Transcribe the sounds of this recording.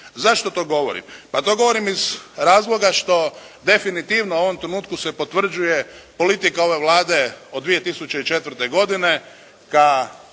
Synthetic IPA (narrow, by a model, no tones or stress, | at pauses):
zaʃt̪o̞t̪o̞ɡo̞ʋo̞̰ɾḭmpat̪o̞ɡo̞ʋo̞ɾimizɾaːzlˠo̞ɡaʃt̪o̞ | d̪e̞finit̪iːʋnouo̞ʋo̞mt̪ɾenuːt̪kuse̞po̞t̪ʋr̩d͡ʒuje̞po̞lit̪ikao̞ʋe̞ʋlˠaːd̪e̞od̪ʋije̞t̪isut͡ɕeit͡ʃe̞t̪ʋr̩t̪e̞ɡo̞d̪ine̞ | ka